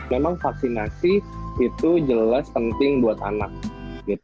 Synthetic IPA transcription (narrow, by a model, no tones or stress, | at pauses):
memaŋfaksinasiit̪ud͡ʒəlaspənt̪ɪŋbuat̪a̰nak̚ɡit̪u